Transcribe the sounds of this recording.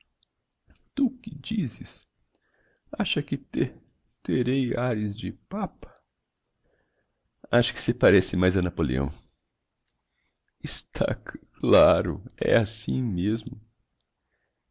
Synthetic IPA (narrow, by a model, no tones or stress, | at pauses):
t̪ukɪd͡ʒizɪs | aʃɐkɪt̪e | t̪eɾejaɾɪzd͡ʒɪpapɐ̥ | aʃɐ̥kɪ̥sɪpaɾɛsɪmajzɐnapolḛɐ̰̃w̃ | ɪst̪ʰa̰kklaɾʊ̰ɛ̰asĩmezmʊ